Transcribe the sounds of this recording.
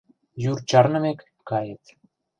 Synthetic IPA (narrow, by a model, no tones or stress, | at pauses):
jurt͡ɕɑrnə̆mekːɑjet̪